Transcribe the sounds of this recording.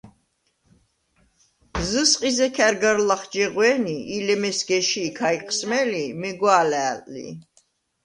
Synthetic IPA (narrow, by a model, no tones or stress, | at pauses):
zɨsqʼizɛkʰɛɾɡaɾlaχd͡ʒɛʁwɛniilɛmɛsɡɛʃiːkʰaiqʼʰsmɛlimɛɡwaːlɛːlʼlḭ